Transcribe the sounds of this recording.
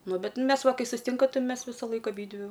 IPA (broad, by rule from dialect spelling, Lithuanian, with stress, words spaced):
ˈnʊ ˈbʲɛt ˈmʲɛs ˈʋɐ ˈkɐɪ sʊsʲɪˈtʲɪŋkɐ ˈtɐɪ ˈmʲɛs ˈʋʲɪsɐlˠɐɪk ɐˈbʲiːdʲʋʲɪ